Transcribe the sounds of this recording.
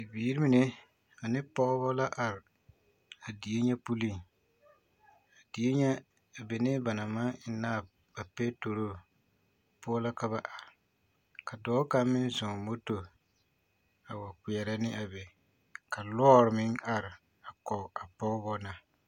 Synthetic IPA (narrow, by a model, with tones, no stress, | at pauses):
ɪ˨biː˨˦ɾi˦mi˨ne˦ | a˨nɪ˦pɔ˦ɣbɔ˦la˦ʔa˨ɾɪ˨ | a˨di˨e˦ɲɛ˦pu˦li˦˨ŋ | a˨di˨e˦ɲɛ˦ | a˨be˨nɪ˦ba˨na˨ma˦naː˦˨ | ba˨pɛ˦to˨ɾo˦ | pʊ˦la˦ka˦βa˦ʔa˨ | ka˨dɔː˨˦ka˦mɪ˦n˦zɔ˨mo˦to˨ | a˨wa˨ki˨ɛ˨ɾa˦nɪ˦ʔa˨bɛ˨ | ka˨lɔː˦ɾɪ˨mɪ˦ŋa˨ɾɪ˨ | a˨kɔ˨a˨pɔ˦ɣbɔ˦na˨